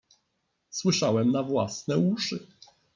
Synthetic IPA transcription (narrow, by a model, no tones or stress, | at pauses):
swɘʂawɛmnavwa̰snɛuʂɘ